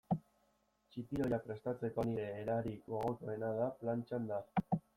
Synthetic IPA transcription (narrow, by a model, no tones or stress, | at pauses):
t͡ʃit̪io̞japɾe̞st̪at͡se̞ko̞niɾe̞ːɾaɾikoaɣotoenaðaplant͡ʃand̪a